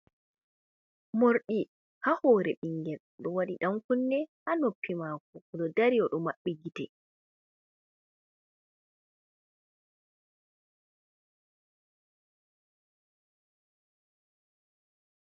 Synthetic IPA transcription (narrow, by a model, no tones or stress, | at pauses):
moɾɗi | hahɔːɾɛɓiŋɡɛl | ɗɔwaɗiɗamkunːɛhanopʰːimakɔɗɔdaɾijɔɗɔmaɓːɛɡitɛ